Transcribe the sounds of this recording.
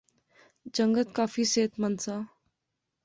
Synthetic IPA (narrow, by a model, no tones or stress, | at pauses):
d͡ʒə̃ŋɡət̪kaːfiseːt̪mənsaː